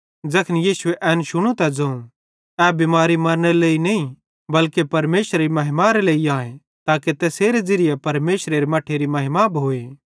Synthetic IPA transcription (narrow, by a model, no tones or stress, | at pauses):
d͡ʒɐkʰnijiːsʊeʔɛːnʃʊɽ̃ũt̪ad͡zɐ̃ũ | ɛbɪmaːɾimɐɾəɽ̃eɾeleːinɐĩ | bɐlkepɐɾmeːʃɾɾimɐɦɪmaɾeleːiaːẽ | t̪aːket̪ɛːseːɾed͡ʒɪɾɪjepɐɾmeːʃɾeɾemɐʈʰːeɾimɐɦɪmabʱɦoːeː